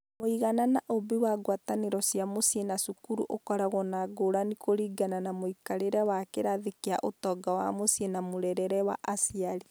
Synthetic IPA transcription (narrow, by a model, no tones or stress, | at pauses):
moiɣananaʔobiwaɡwataneɾɔsiamosienasukuɾṵʔokɔɾaɣɔnaɡoɾanikoɾiːɡananamoikaɾeɾɛwakeɾaðekea̰ʔotɔɡawa̰mosienamoɾɛɾɛɾɛwa̰ʔasiaɾi